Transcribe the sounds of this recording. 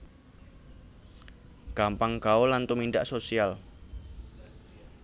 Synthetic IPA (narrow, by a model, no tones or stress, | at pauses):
ɡ̥ampaŋɡ̥aolant̪umindaʔsosial